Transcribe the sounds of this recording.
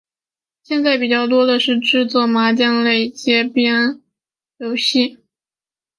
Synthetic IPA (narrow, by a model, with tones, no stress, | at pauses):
ɕjɛ˥˧nt͡sa˥˩ɪpi˨˩t͡ɕjɑ˥˩ʊt̪̬wɔ˥d̪ə˨ʂɻ̩˥˧ʈ͡ʂɻ̩˥˧t͡swɔ˥˩ma˧˥t͡ɕjɑ˥˧ŋle˥˩ɪt͡ɕjɛ˥pjɛ˥n˥ | lo˧˥ʊɕi˥˩